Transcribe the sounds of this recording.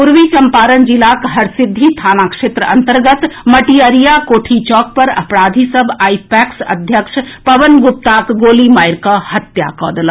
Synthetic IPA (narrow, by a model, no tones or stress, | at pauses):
pʊɾʋit͡ʃɐ̃mpaːɾənd͡ʒɪlaːkɦɐɾsɪd̪ʱːit̪ʰaːnaːkʃeːt̪ɾəɐ̃nt̪əɾɡət̪mɐʈijəɾijakoːʈʰit͡ʃɔːk̚pɐɾɐ̰pɾaːd̪ʱisɐbʱaːipɛːksɐ̰d̪ʱjəkʂpɐʋənɡʊp̚t̪aːkɡoːlimaːjɾkahɐt̪ja̰kɔ̰ːd̪əl